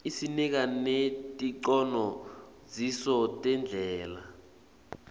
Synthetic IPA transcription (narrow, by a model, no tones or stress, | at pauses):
isinik̬anetʼiǀɔnɔ | zisɔtʼɛnd͡ɮʱɛːla̰